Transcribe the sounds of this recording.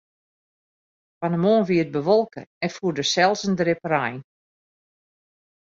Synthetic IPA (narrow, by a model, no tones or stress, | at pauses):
fanəmoːnʋiət̚bəʋɔlˠkə̰ɛnfuədəsɛlˠsəndrɪprajn